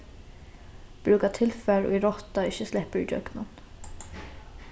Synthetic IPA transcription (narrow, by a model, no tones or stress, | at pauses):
b̥ɾʉːkɑt̪ʰɪlfɛɾo̰ːiɾɔt̪ɑɪçəslɪpəɹḭd͡ʒœ̰ɡnɑn